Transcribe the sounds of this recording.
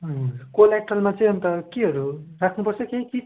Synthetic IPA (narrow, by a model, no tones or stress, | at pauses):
ʌkolak̚ʈʌlmat͡sʌj̃ʌnt̪ʌkeɦʌɾurakʰnupʌrt͡sʰʌkeki